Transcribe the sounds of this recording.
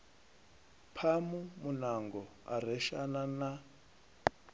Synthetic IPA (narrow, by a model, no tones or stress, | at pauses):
pʰamumunaŋɡɔ | a̰ɾ̤ɛʃa̰nana